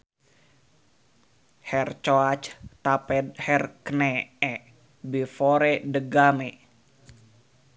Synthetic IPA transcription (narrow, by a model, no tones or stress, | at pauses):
hɛrt͡ʃoat͡ʃt̪apɛd̪̚hɛrkənɛɛ | bifoɾɛdəɡame